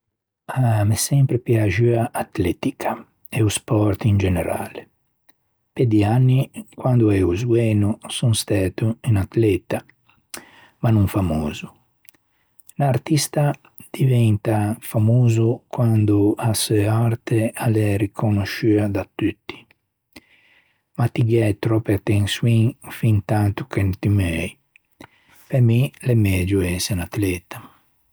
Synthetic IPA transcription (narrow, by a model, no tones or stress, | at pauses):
amɛsɛmpɾepjad͡ʒyaʔat̪lɛt̪ikʰḁ | ɛuspɔɾt̪ind͡ʒɛnɛɾa̰ːle | ped̪ianːikwand̪uɛuzɡwɛːnusunst̪at̪uinat̪lɛt̪a | manuɱfamoːzu | naɾt̪ist̪a | d̪̥ivɛnt̪afamuːzukwand̪uasɛaɾt̪ealɛɾikʰonoʃyad̪at̪ːyt̪ːi̥ | mat̪ːiɡɛjt̪ɾɔpːeat̪ːenswiŋfint̪ant̪u̥kent̪imɛj | peɾmilemɛːd͡ʒuɛsinat̪lɛt̪a